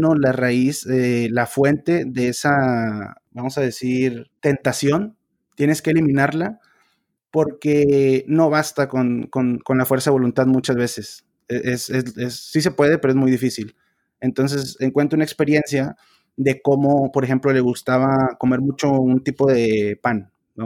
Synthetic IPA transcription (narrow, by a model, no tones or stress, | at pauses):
nolaraiselafwe̞nt̪e̞ðeesa | bamo̞sað̞e̞siɾt̪e̞nt̪asjo̞n | t̪je̞ne̞skeːlimĩnaɾla | po̞ɾkeno̞βast̪akonko̞nko̞nlafweɾsaðe̞βo̞lunt̪aðmut͡ʃazβe̞se̞s | eʔesezesːis̬e̞pwe̞ð̞e̞peɾoe̞zmujðifisil | e̞nt̪o̞ns̬e̞seŋkwe̞nt̪ɾounaekspe̞ɾje̞nsja | ðe̞ko̞mo̞po̞ɾexe̞mplo̞le̞ɣust̪aβako̞me̞ɾmut͡ʃo̞unt̪ipo̞ðepan | ba